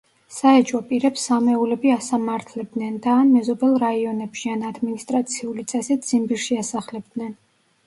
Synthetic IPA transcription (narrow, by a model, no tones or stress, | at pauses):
saɛt͡ʃʼɔpʼiɾɛpsamɛulɛbiasamaɾt̪ʰlɛb̚d̪nɛnd̪aːnmɛzɔbɛlˠɾaiɔnɛpʃianad̪minist̪ʼɾat̪sʰiulit̪sʼɛsid̪z̥imbiɾʃiasaχlɛb̚d̪nɛn